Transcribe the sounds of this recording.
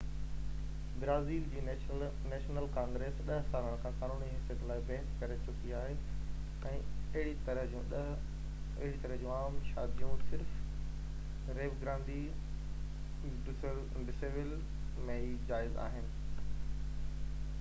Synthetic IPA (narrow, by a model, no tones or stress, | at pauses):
bɾaːziːld͡ʑiː | neːʃnəlkãːŋɡɾeːsɗɐɦsaːɾəɽ̃kʰãːkaːnuːniɦɪsjət̪laːɪbɛɦɪskɐɾet͡ɕʊkiaːɦe | ɛ̃ːɐɦɪɽit̪ɐɾəɦũ | ɐ̰ɦɪɽit̪ɐɾəɦd͡ʑũːaːmʃaːd̪ijũsɪɾf | ɾeːʋɡɾãːnd̪i | ɖɪsl | ɖɪseʋɪl | mẽɦid͡ʑaːɪza̰ːɦɪnɪ̆